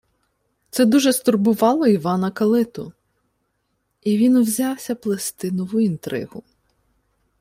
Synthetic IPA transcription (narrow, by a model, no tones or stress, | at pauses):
t̪sɛd̪uʒɛst̪ʊrbʊʋɑlˠɔiʋɑnɐkɐlˠɪt̪ʊ | iʋʲinwzʲɑwsʲɐplˠest̪ɪnʊʋʊint̪ɾɪ̰hʊ